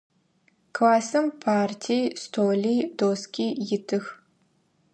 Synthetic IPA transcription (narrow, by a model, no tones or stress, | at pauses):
kʰlaːsɨmpʰaːrtʰijstʰoːlijdoːskʲiːjɪtʰɨx